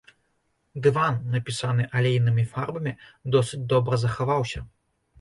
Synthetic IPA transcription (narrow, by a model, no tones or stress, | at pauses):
d̪ɨvanːɐpʲisanɨʔɐlʲejnɨmʲifarbɐmʲid̪ɔsɨt͡sʲd̪ɔbɾɐzɐxavawsʲɐ